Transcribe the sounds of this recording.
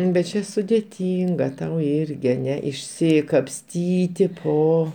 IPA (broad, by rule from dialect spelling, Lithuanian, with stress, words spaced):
bʲɛt ˈt͡ʃʲɛ sʊdʲɛˈtʲiːŋɡɐ tɐʊ ˈɪrʲɡʲɪ ɐˈnʲɛ ɪʃʲsʲɪkɐpʲˈsʲtʲiːtʲɪ oː